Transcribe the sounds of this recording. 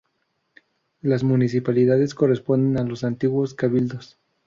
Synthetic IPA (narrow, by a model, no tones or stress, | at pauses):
lazmunis̬ipaliðaðe̞sko̞re̞spo̞nd̪e̞nalo̞sant̪iɣwo̞skaβild̪o̞s